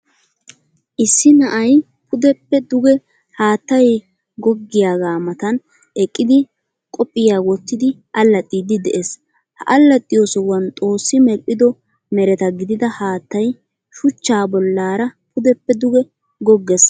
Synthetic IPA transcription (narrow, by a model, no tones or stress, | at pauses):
ʔɪsːɪnɐʔɐj | pʰʊd̪ɛpːɛd̪ʊɡɛ | haːt̪ːɐj | ɡɔɡːɪjaːɡaːmɐt̪ɐn | ɛkʼːɪd̪ɪ | kʼɔpʼːɪjaːwɔt̪ːɪd̪ɪʔɐlːɐt̪ʼːiːd̪ɪd̪ɛʔes | hɐʔɐlːɐt̪ʼːɪjoːsɔwɐnt̪ʼo̞ːsːɪmɛlpʼːɪd̪ɔ | mɛɾɛt̪ɐɡɪd̪ɪd̪ɐhaːt̪ːɐj | ʃʊt͡ʃːaːbɔlːaːɾɐpʰʊd̪ɛpːɛd̪ʊɡɛ | ɡɔɡːɛs